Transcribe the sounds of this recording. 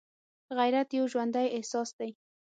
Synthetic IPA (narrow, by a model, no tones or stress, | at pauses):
ɣajɾat̪jɪwʒwand̪ajehsɑsd̪̥aj